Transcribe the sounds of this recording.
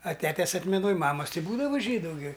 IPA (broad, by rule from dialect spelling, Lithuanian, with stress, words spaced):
ɐ ˈtʲæːtʲɛs ɐtʲmʲɛˈnoːj ˈmɑːmɐs tʲɪ ˈbuːdɐʋɐ ˈʒʲiːdʊ ɡʲɪ